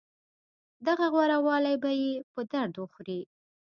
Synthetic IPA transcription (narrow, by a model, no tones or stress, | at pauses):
d̪aɣaɣwaɾawɑlajbajepəd̪aɾd̪wəxɾi